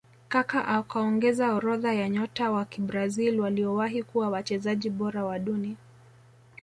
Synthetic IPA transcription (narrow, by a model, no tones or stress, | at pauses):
kakaʔakaɔŋɡɛzaɔɾɔðajaɲɔtawakiɓɾazilwaliɔwaɦikuwawat͡ʃɛzaʄiɓɔɾawaɗuni